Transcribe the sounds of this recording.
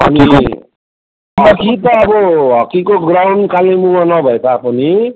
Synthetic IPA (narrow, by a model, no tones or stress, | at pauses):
ɦʌ̰ni | ʌkit̪ʌːbʌɦʌkikoɡɾawnkalemumʌnʌbʱʌet̪ʰapʰuni